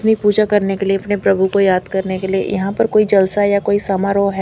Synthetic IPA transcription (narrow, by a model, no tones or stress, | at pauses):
nipuːd͡ʒakɐɾnekelieɐpnepɾɐbʱukojaːd̪kɐɾnekeliḛjɐ̰ɦãpɐɾkoːid͡ʒɐlsajakoːisamaɾoɦɛ